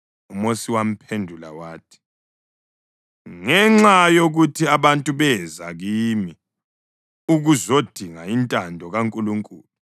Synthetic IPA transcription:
umosiwam̩pʰendʱula̰waːtʰi̥ | ŋɛŋ͡ǁajoɣutʰiaβantʼuβɛza̰ɣimi | uɣuzod̥ʱiŋaintʼandʱɔɣaŋkʼuluŋkʼuːlu

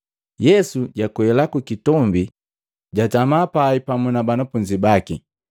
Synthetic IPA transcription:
jɛsuɟakwɛlakukitɔmbi | ɟatamapaipamunabanafuɲd͡ʒibaki

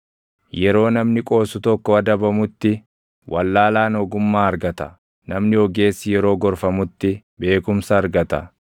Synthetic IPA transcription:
jɛɾo̞ːnɐmnɪkʼo̞ːsʊt̪ɔkːɔɐd̪ɐbɐmʊt̪ːɪ | wʔɐlːaːlaːnɔɡʊmːaːɐɾɡɐt̪ɐ̥̰ | nɐmnɪɔɡe̞ːsːɪjɛɾo̞ːɡɔɾfɐmʊt̪ːɪ | be̞ːkʊmsɐːɾɡɐt̪ɐ̰

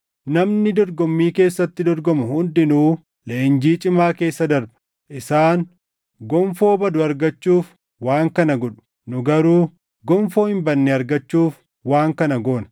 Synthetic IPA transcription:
nɐmnɪd̪ɔɾɡɔmːiːke̞ːsːɐt̪ːɪd̪ɔɾɡɔmʊhʊnd̪ɪnuː | leːnd͡ʒiːt͡ʃʼɪmaːke̞ːsːɐd̪ɐɾbɐ̥ | ʔɪsaːn | ɡɔɱfo̞ːbɐd̪ʊɐɾɡɐt͡ʃːuːf | waːŋkɐnɐɡɔᶑʊ̥ | nʊɡɐɾuː | ɡɔɱfo̞ːhɪmbɐnːɛɐɾɡɐt͡ʃːuːf | waːŋkɐnɐɡoːnɐ

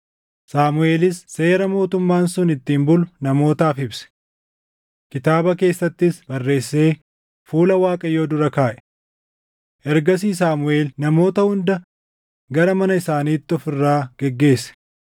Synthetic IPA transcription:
saːmʊe̞ːlɪsːe̞ːɾɐmo̞ːt̪ʊmːaːnsʊnɪt̪ːiːmbʊlʊnɐmo̞ːt̪aːfɪbsɛ̥ | kɪt̪aːbɐke̞ːsːɐt̪ːɪsbɐrːe̞ːsːe̞ː | fuːlɐwaːkʼɐjo̞ːd̪ʊɾɐkaːʔɛ̥ | ʔɛɾɡɐs̬iːs̬aːmʊʔe̞ːlnɐmo̞ːt̪ɐhʊnd̪ɐ | ɡɐɾɐmɐnɐɪsaːniːt̪ːɪɔfɪrːaːɡ̥ɛɡːe̞ːsːɛ̥

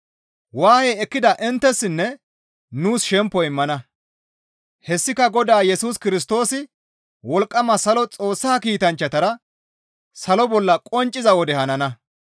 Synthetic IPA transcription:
waːheːɛkːɪd̪ɐʔɪnt̪ːɛsːɪnːɛ | nuːsʃɛmpːɔɪmːɐnɐ | hɛsːɪkɐɡɔd̪aːjɛsuːskɪɾɪs̬t̪o̞ːsɪ | wɔlkʼːɐmɐsɐlɔt͡sʼo̞ːsːaːkiːt̪ɐnt͡ʃːɐt̪ɐɾɐ | sɐlɔbɔlːɐkʼɔnt͡ʃʼːɪzɐwɔd̪ɛhɐnɐnɐ

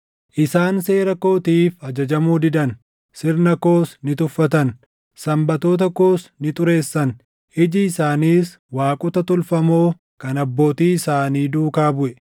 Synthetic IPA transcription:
ʔɪsaːnse̞ːɾɐko̞ːt̪iːfɐd͡ʒɐd͡ʒɐmuːd̪ɪd̪ɐn | sɪɾnɐko̞ːsnɪt̪ʊfːɐt̪ɐn | sɐmbɐt̪o̞ːt̪̬ɐko̞ːsnɪt̪ʼʊɾe̞ːsːɐn | ɪd͡ʒɪːsaːniːs | waːkʼʊt̪ɐt̪ʊlfɐmo̞ː | kɐnɐbːo̞ːt̪iːɪsaːniːd̪uːkaːbʊʔɛ

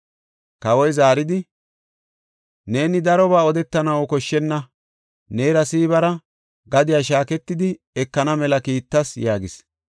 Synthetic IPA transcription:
kɐwɔjzaːɾɪd̪ɪ | ne̞ːnɪd̪ɐɾɔbaːɔd̪ɛt̪ːɐnɐwɔkɔʃːɛnːɐ | ne̞ːɾɐsiːβɐɾɐ | ɡɐd̪ɪjaʃ̬aːkɛt̪ːɪd̪ɪ | ɛkːɐnɐmɛlɐkiːt̪ːɐsjaːɡɪs

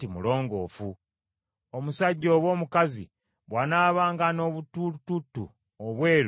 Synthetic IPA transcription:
imulo̞ːŋɡo̞̰ːfu | omusaɟːo̞ːβwo̞ːmukazḭ | βwanaːβaːŋɡano̞βutututːṵ | oβwe̞ːɾ

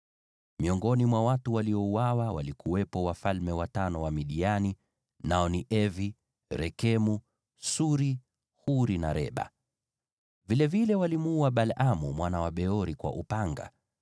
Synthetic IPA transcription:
miɔŋɡɔnimwawatuwaliɔuwawawa̰likuwɛpɔwafalmɛwatanɔwamiɗiani | naɔniʔɛvi | ɾɛkɛmu | suɾi | huɾina̰ɾɛ̰ɓa̰ | vilɛvilɛwalimuaɓalamumwanawaɓɛɔɾikwa̰ʔupaŋɡa̰

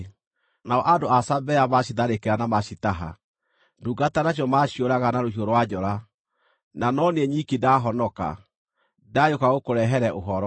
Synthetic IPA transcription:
naɔʔadoasabɛjamaɕiðaɾekeɾanamaɕitaɦa̰ | nduɡatanaɕ̬jɔmaɕioɾaɣanaɾohioɾwad͡ʑɔɾa | nanɔneɛɲikidaɦɔnɔka̰ | dajokaɣokoɾɛɦɛɾɛʔoɦɔɾɔ

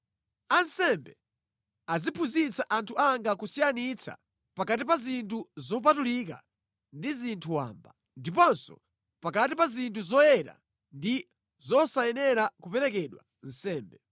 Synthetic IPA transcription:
ansɛmbɛ | azipʰuzit͡saʔantʰuaŋɡakusijanit͡sʰa̰ | pakatipazintʰuzɔp̬atulika̰ | ndizintʰuwa̰ːmba | ndipɔnsɔ̰ | pakatipazintʰuzɔjɛɾa̰ | ndi | zɔsajɛnɛɾakupɛɾɛkɛɗwa̰ | n̩sɛːmbɛ

